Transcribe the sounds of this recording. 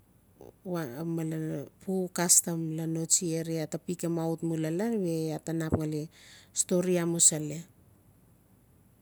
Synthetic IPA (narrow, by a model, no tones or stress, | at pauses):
amalapukastamlano̞t͡ʃieɾiatapikemautmulalanβe̞atanapŋalesto̞ɾiamusale